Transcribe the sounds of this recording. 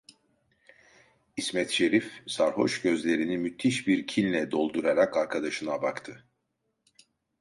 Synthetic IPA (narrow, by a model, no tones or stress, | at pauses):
ismɛt̪ʃe̞ɾifsaɾho̞̰ʃɟø̞zlʲe̞ɾinimyt̪ʰːiʃbiɾcʰilʲlʲɛd̪o̞lˠd̪uɾaɾakaɾkʰad̪aʃɯnabakt̪ʰɯ